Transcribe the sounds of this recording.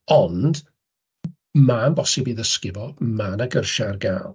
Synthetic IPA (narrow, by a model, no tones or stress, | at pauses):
ɔnd̥ | manbɔsɪbiðəskɪvɔmanəɡərʃarɡalˠ